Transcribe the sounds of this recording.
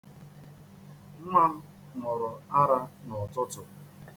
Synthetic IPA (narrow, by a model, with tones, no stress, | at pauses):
ŋ̩˦ŋʷa˦ | mʊ˨ɾʊ˨a˦ɾa˦nɔ˨tʊ˦tʊ˨